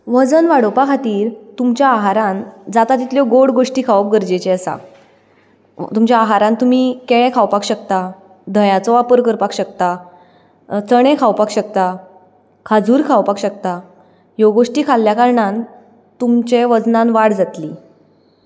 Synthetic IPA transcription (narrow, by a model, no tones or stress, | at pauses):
ʋəd͡zənʋaɽopakʰat̪iːɾt̪umt͡ɕjaːɦaɾãnd͡zat̪at̪it̪ljɔɡoɽɡoʂʈiːkʰaʋəp̚ɡəɾd͡ʑet͡ɕeəsa̰ | t̪umt͡ɕjaːɦaɾãnt̪um̤ikeɭɛ̃kʰawpakɕək̚t̪a | d̪ʱəjat͡sɔʋapəɾkəɾpakɕəkt̪a | t͡səɽ̃ẽkʰaʋpakɕək̚t̪a | kʰad͡zuːɾkʰawpakɕək̚t̪a | joɡoʂʈiːkʰalːjakaɾɳãn | t̪umt͡ɕeʋəd͡znãnʋaɽd͡zat̪liː